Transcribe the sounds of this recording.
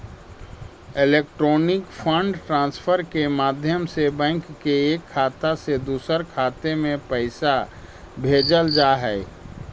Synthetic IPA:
ɪleːk̚ʈɾoːnɪkfʰə̃ɳɖʈɾãːnspʰəɾkemaːd̪ʱjəmsebɛ̃ːŋkːeeːkʰːaːt̪ased̪uːsəɾkʰaːt̪emẽpəɪsa | bʱeːd͡ʒəld͡ʒaːɦɛː

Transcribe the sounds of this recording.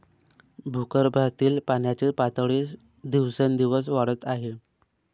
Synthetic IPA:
bʱukəɾbʱat̪iːlpaɳjat͡ɕepat̪əɭeːs | d̪iʋsənd̪iʋəsʋaɽət̪aɦe

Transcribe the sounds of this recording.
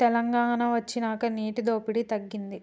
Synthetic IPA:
t̪ɛlɐŋɡaːnɐʋɐt͡ʃːinaːkɐniːʈid̪o̞ːpiɽit̪ɐɡːind̪i

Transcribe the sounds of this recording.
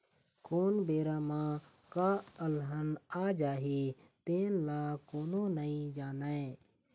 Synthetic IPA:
koːnbeːɾaːmãː | kaːəlɦənaːd͡ʒaːɦi | t̪eːnlaːkoːnõnəĩd͡ʒaːnae

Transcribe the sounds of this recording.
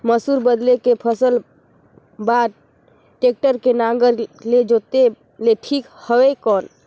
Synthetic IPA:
məsuːɾbəd̪lekepʰəsəl | baːd̪̚ | ʈeːk̚ʈəɾkenãɡəɾled͡ʒoːt̪e | leʈʰiːkhəwekɔːn

